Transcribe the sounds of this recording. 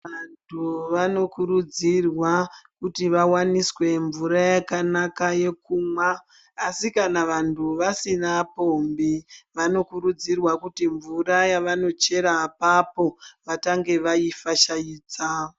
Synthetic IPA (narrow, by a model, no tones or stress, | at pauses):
antʰuʋano̞kuɾud͡zirwakutiʋawaniswe̞ɱvuɾajakanakaje̞kuːmwaː | sikanaʋantʰuʋasinapombiʋano̞kuɾud͡zirwakutiɱvuɾajaʋano̞t͡ʃe̞ɾapapo̞ʋataŋɡe̞ʋaifaʃajiːt͡sa